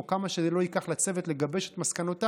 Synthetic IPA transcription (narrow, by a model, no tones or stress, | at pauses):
kamaʃelo̞ikaχlat͡se̞vetleɡabe̞ʃet̪maskanot̪a